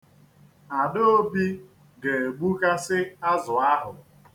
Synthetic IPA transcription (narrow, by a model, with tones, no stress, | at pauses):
a˨do˦o˦bi˦ | ɡe˨e˨ɡ͡bu˦ka˦sɪ˦a˦zʊ˨a˦ɦʊ˨